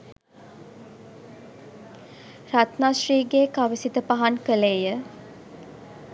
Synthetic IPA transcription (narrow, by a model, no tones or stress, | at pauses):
rat̪naʃriːɡeːkaʋəsit̪əpaɦankəleːjə